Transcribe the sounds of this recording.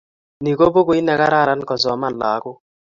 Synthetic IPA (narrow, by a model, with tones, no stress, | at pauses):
ni˨ko˦bo˦ko˦i˦nɛ˨ka˦ɾa˦˨ɾa˨˦nkɔ˨zɔ˨˦ma˦n˨la˨˦kʊ˦